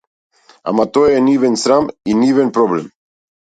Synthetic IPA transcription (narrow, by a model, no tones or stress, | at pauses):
a̰mat̪ojɛnivɛnsɾaminivɛnpɾɔblɛm